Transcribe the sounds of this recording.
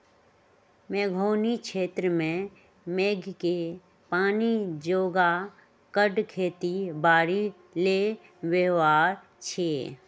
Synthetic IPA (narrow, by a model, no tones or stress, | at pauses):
meːɡʱoːnikʃeːt̪ɾəmẽ | meːɡʱke | paːnid͡ʒoːɡa | kəɖkʰeːt̪ibaːɾi | le | weʋaːɾ | t͡ʃʰeː